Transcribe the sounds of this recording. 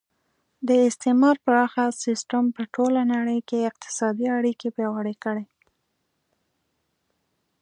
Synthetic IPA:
d̪əɪst̪emɑɾpəɾɑxasɪsʈampəʈolanaɽəjkeɪq̚t̪ɪ̥sɑd̪iaɽikepjɑwaɽekəɽe

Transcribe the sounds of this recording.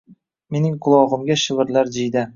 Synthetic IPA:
me̞nɪŋqʰʊlˠɒʁɨmɡʲaʃɪvɪɾlaɾd͡ʒɪjd̪a

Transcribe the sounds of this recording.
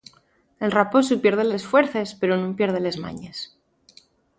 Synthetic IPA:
e̞lrapo̞supje̞ɾð̞elesfwe̞ɾθe̞spe̞ɾonũmpje̞ɾð̞ele̞zma̰ɲe̞s

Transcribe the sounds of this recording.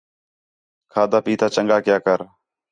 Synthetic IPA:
kʰaːd̪aːpiːt̪ʰaːt͡ʃəŋɡaːkjaːkəɾ

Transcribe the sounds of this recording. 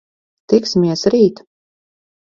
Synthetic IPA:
t̪iksimʲiɛsɾiːt̪

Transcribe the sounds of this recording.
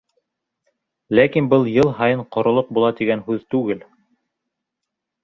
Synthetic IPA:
lækinbɤlˠjɤlˠɦɑjɤɴqŏɾŏlˠɤq̚bulˠɑt̪iɡænɦʉðt̪ʉɡɘl

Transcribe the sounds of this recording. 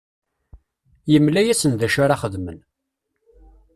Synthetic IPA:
jəmlæjæsənðæʃaɾaχəðmən

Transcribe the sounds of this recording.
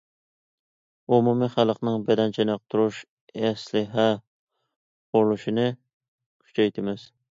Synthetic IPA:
umumiχælˠəqnɨŋbɛd̪ɛnt͡ʃʰɛnɑq̚t̪ʰuɾuʃ | ɛslɪɦɛ | ʊɾlˠuʃinɨ | kʲʰy̥t͡ʃʰɛjt̪ʰɪmɪz̥

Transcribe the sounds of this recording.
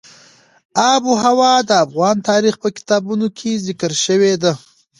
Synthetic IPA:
ɑbuɦawɑd̪əafɣɑnt̪ɑɾixpəkɪ̥t̪ɑbunokʰezɪkəɾʃəwed̪a

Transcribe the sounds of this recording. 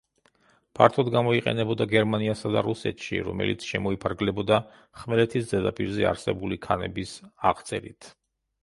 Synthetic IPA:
pʰaɾt̪ʰɔd̪ɡamɔiqʼɛ̰nɛbɔd̪aɡɛɾmaniasad̪a̰ɾusɛt̪ʰʃḭɾɔ̰mɛ̰lḭt̪sʰʃɛmɔipʰaɾɡlɛbɔd̪a | χmɛlɛt̪ʰisd̪zɛd̪apʼiɾzɛa̰ɾsɛbulikʰanɛbisaʁt̪sʼɛɾit̪ʰ

